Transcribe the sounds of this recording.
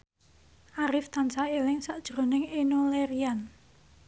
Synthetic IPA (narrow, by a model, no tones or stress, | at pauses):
ʔaɾɪft̪ansaelɪŋsaʔd̥ʒ̥ɾo̤nɪŋenoleɾian